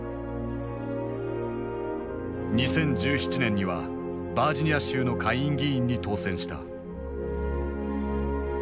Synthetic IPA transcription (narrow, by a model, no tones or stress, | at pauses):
ɲ̟isẽ̞ɲd͡ʑɨːçi̥t͡ɕinẽ̞ɲ̟ːiβa̰ | baːd͡ʑiɲ̟ʲijaɕɨːno̞kʰaiĩŋɡʲiĩɲ̟ːit̪o̞ːsẽ̞ɰ̃ɕi̥t̪a̰